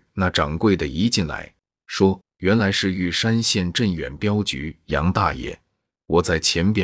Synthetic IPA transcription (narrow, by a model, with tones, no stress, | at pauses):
na˥˩ʈ͡ʂɑ˨˩ŋkwe˥˩ɪd̪ə˩i˧˥t͡ɕi˥˩nla̰˧˥ɪ | ʂwɔ˥ | ɥɛ˧˥nla˧˥ɪʂɻ̩˥˧y˥˩ʂa˥nɕjɛ˥˧nʈ͡ʂə˥˩nɥɛ̰˨˩npjɑ˥ʊt͡ɕy̰˧˥jɑ̰˧˥ŋt̪a̰˥˧jɛ̰˥˩ | wɔ˨˩t͡sa˥˩ɪt͡ɕʰjɛ˧˥npjɛ˧˥